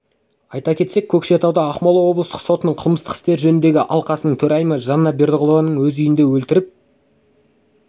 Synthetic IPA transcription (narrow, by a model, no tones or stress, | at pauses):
ɑjt̪ɑkʲʰe̞t̪se̞kʲʰːɵkʃe̞t̪ʰɑwd̪ɑɑqmɑlˠɑwo̞blˠəst̪ə̥qso̞t̪ənəɴqʰəlˠməst̪ə̥qɪst̪e̞ɾʒɵnɪnd̪e̞ɡʲɪʔɑlˠqɑsənəɴt̪ʰɵɾɑjmɑʒɑnːɑbe̞ɾd̪əʁolˠovɑnəɴwɵzʏjɪnd̪e̞wɵlt̪ɪɾɪp̚